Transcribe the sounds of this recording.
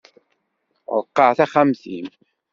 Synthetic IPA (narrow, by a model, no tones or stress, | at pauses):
ʁˤəqːɑʕθæχæmθim